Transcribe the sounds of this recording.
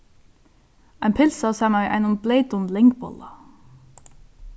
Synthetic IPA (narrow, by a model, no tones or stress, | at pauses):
æɪmpʰɪlsɑsæmæɪʔæ̰ɪnʊmbleɪt̪ʊnlɪŋkbɔ̰lɑ